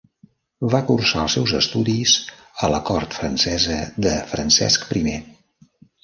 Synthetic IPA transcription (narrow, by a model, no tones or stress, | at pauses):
βakursaəlˠsɛwzəst̪uðiz | ələkɔɾt̪fɾənsɛzəðəfɾənsɛ̰skpɾime